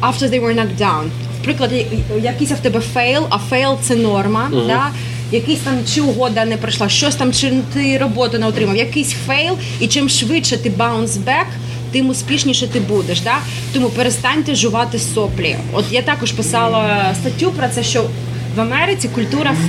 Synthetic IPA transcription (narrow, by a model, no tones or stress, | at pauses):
aft̪ɔðejʋɛɹnɐkdawn | wpɾɪklˠɐdʲɛjɐkɪsʲɐwt̪ɛbɛfɛjlˠɐfɛjlˠt̪sɛnɔrmɐd̪a | jɐkɪsʲt̪ɑmt͡ʃɪʊɦɔd̪ɐnɛpɾɐʃlˠɑʃt͡ʃɔsʲt̪ɑmt͡ʃɪnʊt̪ɪɾɔbɔt̪ʊnɛɔt̪ɾɪmɐwjɐkɪsʲfɛjlˠ | it͡ʃɪmʃʋɪtt͡ʃɛt̪ɪbawnzbɛk | t̪ɪmʊsʲpʲiʃnʲiʃɛt̪ɪbud̪eʃd̪ɑ | t̪ɔmupeɾest̪ɑnʲt̪ɛʒʊʋɑt̪ɪsɔplʲḭ | ɔ̰t̪jat̪ɑkɔʒpɪsɑlˠɐst̪ɐtʲːupɾɔt̪sɛʃt͡ʃɔ | ʋɐmɛɾɪt͡sʲikʊlʲt̪uɾɐ